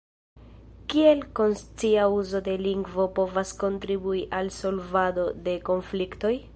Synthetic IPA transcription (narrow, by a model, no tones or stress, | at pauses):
kie̞lko̞nst͡siauzo̞de̞liŋɡvo̞po̞vasko̞ntɾibuiʔalso̞lvado̞de̞ko̞nflikto̞j